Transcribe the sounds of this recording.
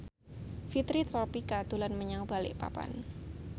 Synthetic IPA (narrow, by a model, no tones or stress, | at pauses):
fit̪ɾit̪ɾɔpikad̪ulanməɲaŋbalɪ̰ʔpa̰pa̰n